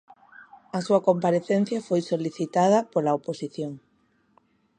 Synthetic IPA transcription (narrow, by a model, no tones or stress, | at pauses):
ɐsuɐkompaɾeθen̟θjɐfojsoliθit̪að̞ɐpolaoposiθjoŋ